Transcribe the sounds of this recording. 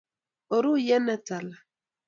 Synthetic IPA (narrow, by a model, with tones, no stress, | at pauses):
o˨ɾu˦jɛ˦nɛ˦ta˨la˨